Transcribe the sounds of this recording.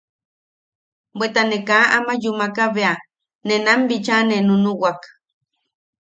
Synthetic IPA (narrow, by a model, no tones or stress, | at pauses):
bʷet̪anekaamajumakaβea | nenambit͡ʃanenunuwak